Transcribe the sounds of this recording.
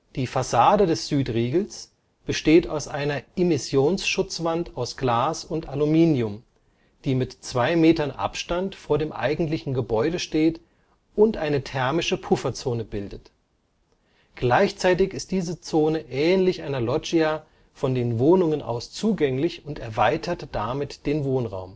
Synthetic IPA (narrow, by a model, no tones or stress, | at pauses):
d̥iːfasaːdədɛsz̥yːtʁiːɡl̩s | b̥əʃteːta̰ʊsʔaɪnɐɪmɪsjoːnsʃʊt͡sv̥antaʊsɡ̥laːsʊntalumiːnjʊm | d̥iːmɪtt͡sv̥aɪmeːtɐnʔa̰pʃtantfoːɐdeːmʔa̰ɪɡŋ̩tlɪçn̩ɡəbɔʏɾəʃteːt | ʊntʔaɪnətʰɛɐmɪʃəpʰʊfɐt͡soːnəbɪldət | ɡ̥laɪçt͡saɪtɪçɪst̚d̥iːzət͡soːnəʔɛːnlɪçʔaɪnɐlɔd͡ʒia | fɔndeːnvoːnʊŋənʔa̰ʊst͡suːɡɛŋlɪçʊntɛɐvaɪtʰɐtd̥amɪtd̥eːnvoːnʁa̰ʊm